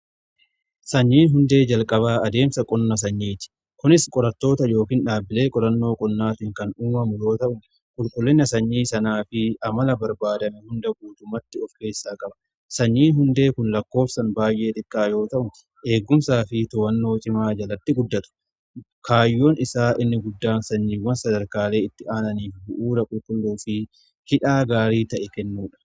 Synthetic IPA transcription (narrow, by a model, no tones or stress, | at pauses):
sɐɲːiːnɦʊnd̪e̞ːd͡ʒɐlkʼɐβaːɐd̪e̞ːmsɐkʼɔnːɐs̬ɐɲːiːt̪ɪ̥ | kʊnɪskʼɔɾɐt̪ːo̞ːt̪ɐjo̞ːkiːnᶑaːbɪle̞ːkʼɔɾɐnːo̞ːkʼɔnːaːt̪ɪŋkɐnuːmɐmʊjo̞ːt̪ɐʔʊ | kʼʊlkʼʊlːɛnːɐsɐɲːiːsɐnaːfɪɐmɐlɐbɐɾbaːd̪ɐmɛhʊnd̪ɐbuːt̪ʊmɐt̪ːɪɔfke̞ːsːaːkʼɐbɐ̥ | sɐɲːiːɦʊnd̪e̞ːkʊnlɐkːo̞ːfsɐnbaːjʔe̞ːt̪ʼɪkʼːaːjo̞ːt̪ɐʔʊn | ʔe̞ːɡːʊmsaːfɪt̪ɔwɐnːo̞ːt͡ʃʼɪmaːd͡ʒɐlɐt̪ːɪɡʊd̪ːɐt̪ʊ̥ | kʰaːjːo̞ːnɪsaːʔɪnːɪɡʊd̪ːaːnsɐɲːiːwɐnsɐd̪ɐɾkaːle̞ːɪt̪ːɪʔaːnɐniːfbʊʔuːɾɐkʼʊlkʼʊlːuːfɪ | hɪᶑaːɡaːɾiːt̪ɐʔɛkɛnːuːᶑɐ̥